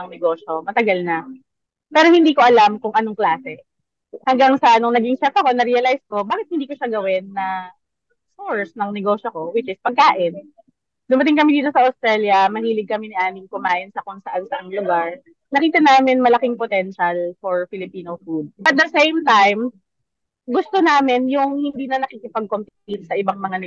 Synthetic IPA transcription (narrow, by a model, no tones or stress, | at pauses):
ɐŋnɛɡo̞ːʃomɐt̪ɐɡalnɐ | pɛːɾohɪnd̪iːko̞ʔɐlamkʊŋʔɐnoŋklaːsɛ | hɐŋɡaŋsɐnoŋnɐɡɪŋʃɛfɐko̞nɐɾɛɐlajsko̞baːkɪt̪̚hɪnd̪iːko̞ʃaɡɐwɪnːɐ | soɹsnɐŋnɛɡo̞ːʃoko̞wɪt͡ʃɪspɐɡ̚kaːʔɪn | d̪ʊmɐt̪̬ɪŋk̬ɐmɛd̪iːt̪o̞sɐʔɐst̪ɾɛljɐmɐhiːlɪɡ̚kɐmɛnɪʔaːmɪŋkʊmaːʔɪnsɐkʊŋsɐʔansɐʔaŋlʊɡaɹ | nɐkiːt̪ɐnaːmɪnmɐlɐkɪŋpot̪ɛnʃɐlfɔɹfɪlɪpiːnofud̪̚ʔɐt̪̚d̪ɐsejmt̪ajm | ɡʊst̪o̞naːmɪnjʊŋhɪnd̪iːnɐnɐkikɪpɐɡ̚kompɪit̪sɐʔɪbaŋmɐŋanɛ